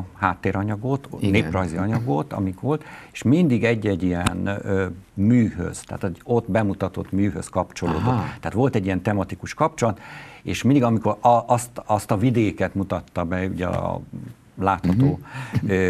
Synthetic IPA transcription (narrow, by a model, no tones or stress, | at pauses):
haːt̪ːeːɾɒɲɒɡo̞t̪neːprɒjziɒɲɒɡo̞t̪ɒ̰mikʋo̞lt̪eʃmind̪iɡɛɟːɛɟijɛn | myːhø̰z̥t̪a̰ːt̪oɟot̪bɛmut̪ɒt̪o̞t̪myːɦøskɒpt͡ʃo̞loːd̪ot̪aːt̪ʋo̞lt̪ɛɟiɛnt̪ɛmɒt̪ikuʃkɒp̚t͡ʃo̞lɒt̪eːʃmind̪iɡɒmiko̞ɾʔɒst̪ɒst̪ɒvid̪eːkɛt̪mut̪ɒt̪ːɒbɛuɟɛ̰ | laːt̪hɒt̪oː